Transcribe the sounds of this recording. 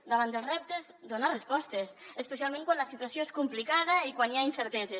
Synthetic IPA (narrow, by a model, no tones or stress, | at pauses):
d̪əβand̪əlˠrɛp̚t̪ezd̪onarespɔst̪esəspes̬ialˠmẽŋkwanləsit̪uasjoeskumplikaðɐikwanjainsəɾt̪ɛze